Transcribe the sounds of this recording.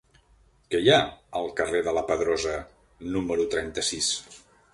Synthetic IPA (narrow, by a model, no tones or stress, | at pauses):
kɛjaəlˠkəreðələpəðɾɔzə | numəɾut̪ɾɛnt̪əsis